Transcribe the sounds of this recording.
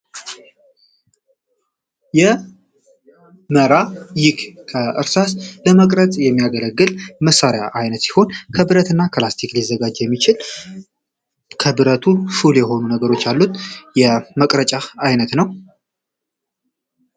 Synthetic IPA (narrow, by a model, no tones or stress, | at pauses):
jɛ | məɾajɪkkʰəɨɾsasləməkʼɾət̪ʼjɛmːijaɡələɡːɨlməsaɾeja̰ʔajnət̪si̥ho̞nkʰəbɨɾət̪ɨnːakʰlast̪ʰiklizːəɡad͡ʒjɛmːit͡ʃɪl | kʰəbɨɾət̪ʰuʃuljɛho̞nunəɡəɾo̞t͡ʃːalːut̪jɛməkʼɾət͡ʃʼaːjnət̪nəw